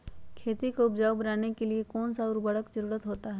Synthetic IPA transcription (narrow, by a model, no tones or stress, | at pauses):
kʰeːt̪ikoʊpd͡ʒaːwbɐnaːnekeliekɔːnsaɔːɾbɐɽəkd͡ʒɐɾuːɾət̪ɦoːt̪aɦɛː